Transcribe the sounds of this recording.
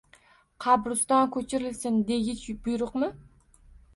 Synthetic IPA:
qʰɑbɾʊst̪ɑnkʲʰøt͡ʃʰiɾɪlsɪnd̪eɡʲit͡ʃʰbujɾʊqmɨ

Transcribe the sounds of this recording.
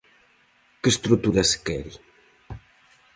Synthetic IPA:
kəst̪ɾut̪uɾaskɛɾi

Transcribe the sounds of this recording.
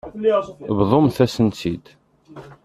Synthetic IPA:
βðˤomθæsənt͡sid̪

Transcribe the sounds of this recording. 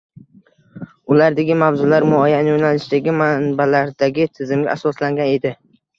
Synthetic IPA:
ʊlaɾd̪aɡʲɪmavzʊlaɾmʊajanɪjonalɪʃd̪aɡʲɪmanbalaɾd̪aɡʲɪt̪ʰɪzɪmɡʲa̰asɒslaŋɡʲane̞d̪ɪ

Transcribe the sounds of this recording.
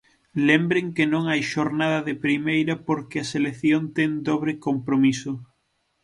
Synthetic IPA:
lembɾeŋkenõŋajʃoɾnaðɐðɪpɾimejɾɐpoɾkɪɐseleθjont̪ɛŋd̪oβɾekompɾomisʊ

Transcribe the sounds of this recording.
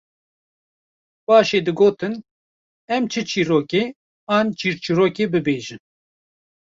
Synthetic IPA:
bɑːʃeːd̪ɨɡoːt̪ɨn | ɛmt͡ʃʰɨt͡ʃʰiːɾoːkeː | aːnt͡ʃʰiːɾt͡ʃʰiɾoːkeːbɨbeːʒɨn

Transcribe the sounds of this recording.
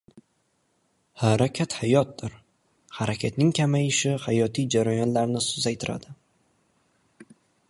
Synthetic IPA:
haɾakʲʰat̪hajɒt̪̚d̪ɪɾ | haɾakʲʰat̪nɪŋkʲʰamajɪʃɪhajɒt̪ʰijd͡ʒaɾajɒnlaɾnɪsʊzajt̪ʰɪɾa̰d̪̥ɪ

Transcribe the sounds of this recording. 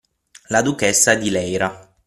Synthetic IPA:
lad̪ukɛsːad̪ilɛjɾa

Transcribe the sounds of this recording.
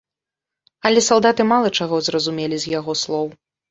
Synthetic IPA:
ɐlʲɛsalˠd̪at̪ɨmalˠɐt͡ʂaɣɔzrɐzumʲɛlʲizʲjaɣɔslˠɔw

